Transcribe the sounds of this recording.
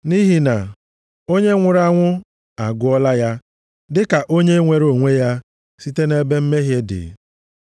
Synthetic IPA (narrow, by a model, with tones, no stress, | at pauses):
ni˦ɦi˨na˨ | o˦ɲe˦ŋʷʊ˨ɾa˦ŋʷʊ˦ | a˨ɡʊ˦ɔ˦la˦ja˦ | dɪ˦ka˨ʔo˦ɲe˦ŋʷe˨ɾo˨ŋʷe˦ja˦ | si˦te˦ne˦be˦m̩˦me˦ɦje˦dɪ̰˨˦